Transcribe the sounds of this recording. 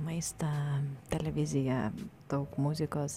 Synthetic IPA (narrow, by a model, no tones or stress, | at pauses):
mɐɪst̪ɐt̪ʲɛlʲɛʋʲɪzʲɪjɛd̪̥ɐʊkmʊzʲɪkoːs